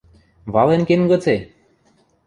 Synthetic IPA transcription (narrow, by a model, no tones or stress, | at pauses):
βɑlenkenɡot͡se